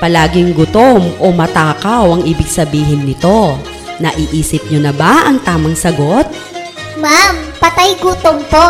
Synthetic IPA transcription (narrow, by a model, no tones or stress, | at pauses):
pɐlaːɡɪŋɡʊt̪omʔomɐt̪aːkɐwʔɐŋʔiːbɪɡsɐbiːɦɪnːɪt̪o̞ | nɐʔɪʔiːsɪp̚ɲonɐbaʔɐŋt̪aːmɐŋsɐɡot̪̚ | mampɐt̪ajɡʊt̪ompo